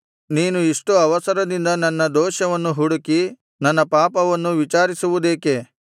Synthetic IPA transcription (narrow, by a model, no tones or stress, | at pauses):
niːnuiʂʈuɐʋɐsɐɾɐd̪ind̪ɐnɐnːɐd̪ɔːʃɐʋɐnːuɦuɽuki | nɐnːɐpaːpɐʋɐnːuʋit͡ʃaːɾisuʋud̪e̞ːke̞